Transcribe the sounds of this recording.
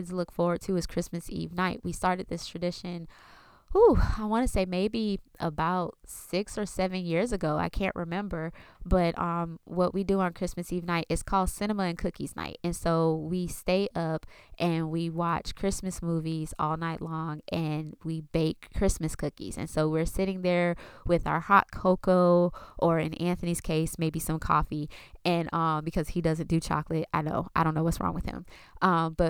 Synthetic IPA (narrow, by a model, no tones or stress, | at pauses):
dzlʊkfɔɹwə˞d̚tʰɨɨz̥kʰɹ̥ɪsmɨsḭvnaɪʔ̚wistɑɹɾɨd̪̚ðɪstʰɹ̥ɨdɪʃɨ̃n | uaɪwɑ̃ñɨseɪmeɪbiʔə̰baʊt̚sɪksə˞sɛvɨ̃njɪɹzɨɡoʊa̰ɪkʰæ̰̃nʔɹʔɨmɛ̃mbə˞b̥ʌɾʔʌ̃mwʌʔwidəə̃nkʰɹ̥ɪsmɨsivnaɪɾɨz̥kʰɔlˠd̥sɪ̃ñəməɨ̃nkʰʊkiz̥na̰ɪt̚ɨ̃nsoʊwisteɪɾʔʌpʔɨ̃nwiwɑt͡ʃkʰɹ̥ɪsmɨsmuvizɔ̰lˠnaɪʔˡlɔ̃ŋʔɨ̃nwibeɪkʰːɹ̥ɪsmɨskʰʊkḭz̥ɨ̰̃nsoʊwɪɹsɪɾɪ̃ŋðə˞wɪða̰ə˞hɑ̰t̚kʰoʊkoʊʔə˞ɨ̰̃næ̃nθɨniz̥kʰeɪsmeɪbisʌ̃mkʰɔ̰fiɨ̃nʔʌ̃mbɨkʰʌz̥idʌzɨ̃nd̥ɨt͡ʃʰɑ̰klɨt̚aɪdno̰ʊaɪɾõʊ̃nːoʊwʌtsɹɔ̰̃ŋwɨð̥ɨ̰̃m | ʔʌ̃mb̥ʌt̚